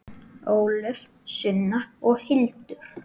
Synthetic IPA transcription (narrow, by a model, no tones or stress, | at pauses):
oːwlʏɾ̥ | sʏnːaɔɣhɪlt̪ʏɾ̥